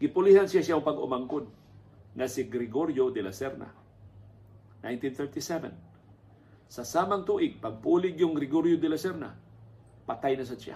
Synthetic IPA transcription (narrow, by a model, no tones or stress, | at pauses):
ɡɪpʊlihansjasjaŋpɐɡʊ̰maŋkod̪̚ | ŋɐsɪɡɾɪɡoɾjod̪ɛlasɛɾna̰ | najnt̪inθɛɹt̪isɛvɛ̰n | sɐsaːmɐŋt̪uːʔɪɡ̚pɐɡ̚puːlɪɡjʊŋɡɾɪɡoɾjod̪ɛlasɛɾna̰ | pɐt̪ajnɐs̬ansja̰